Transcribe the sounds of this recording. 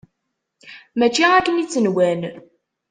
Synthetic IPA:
mæt͡ʃːiækːənit͡sːənwæn

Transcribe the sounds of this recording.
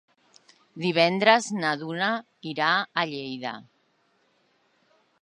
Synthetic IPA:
d̪iβɛnd̪ɾəznaðuna | iɾaːʎejða̰

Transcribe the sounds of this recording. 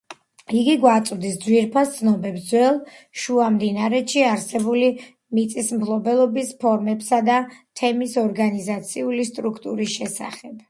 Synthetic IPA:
iɡiɡwat̪sʼvd̪isd̪zwiɾpʰast̪sʰnɔbɛbd̪zwɛlˠʃuamd̪inaɾɛt̪ʃiaɾsɛbuli | mit̪sʼismpʰlˠɔbɛlˠɔbispʰɔɾmɛpsad̪at̪ʰɛmisɔɾɡanizat̪sʰiulist̪ʼɾukʰt̪ʼuɾisʃɛsa̰χɛb̥

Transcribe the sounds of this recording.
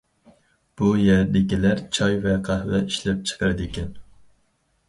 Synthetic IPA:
b̥ujɛɾd̪ɪkʲilæɾt͡ʃʰɑjvɛqʰɑhvɛiʃlɛp̚t͡ʃʰə̥qɑɾɨd̪ɪkʲʰɛn

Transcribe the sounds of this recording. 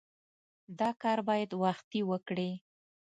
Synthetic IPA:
d̪ɑkɑɾbɑjad̪waxt̪iwəkɽi

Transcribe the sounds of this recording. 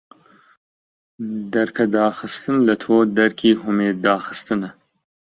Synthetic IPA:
d̪ɐɾkʰɐd̪ɑːxɨst̪ɨnlɐt̪ʰoːd̪ɐɾkʰiːɦʊmeːd̪ɑːxɨ̥st̪ɨnɐ

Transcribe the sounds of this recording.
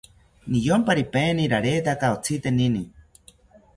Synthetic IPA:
nijompaɾipeːniɾaɾet̪akaot͡sʰit̪enini

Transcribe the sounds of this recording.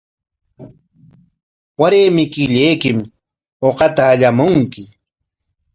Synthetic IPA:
waɾeːmɪkɪʎejkɪm | oqɑt̪aːʎamʊŋkɪ

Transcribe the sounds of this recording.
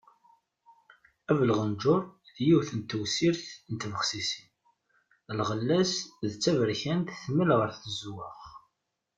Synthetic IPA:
ævəlʁənd͡ʒʊɾˤ | θjiwθənt̪ːəwsiɾθnət̪vəχsisin | lʁəlːæsðt͡sːævəɾçænt̪θməlʁəɾθəzwəχ

